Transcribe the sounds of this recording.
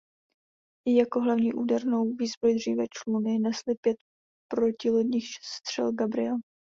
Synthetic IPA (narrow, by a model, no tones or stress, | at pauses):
ɪjako̞ɦlavɲiːʔuːdɛɾno̞wviːzbɾojd̪r̝iːvɛt͡ʃlunɪnɛslɪpjɛt̪̚ | pɾocɪlodɲiːxʃɛ̥st̪r̝̥ɛ̰lɡabɾɪ̰ɛl